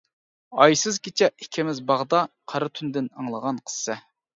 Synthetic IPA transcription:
ɑjsɨzɡʲit͡ʃʰɛikʲʰɪmɪzbɑʁd̪ɑqʰɑɾɨt̪ʰynd̪ɪnɑŋlˠəʁɑnqʰə̥sːɛ

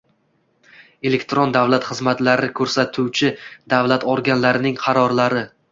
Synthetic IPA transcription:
e̞le̞kʲt̪ɾond̪avlat̪χɨzmat̪laɾɪkʲʰɵɾsat̪ʰuwt͡ʃʰɪd̪avlat̪ʰɒɾɡʲanlaɾɪnɪŋqʰɑɾɒɾlaɾɪ

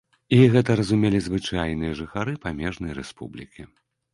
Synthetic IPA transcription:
iɣɛt̪̬ɐɾɐzumʲɛlʲizvɨt͡ʂajnɨjɐʐɨxaɾɨpamʲɛʐn̪ɐjɾɛspṵblʲikʲi

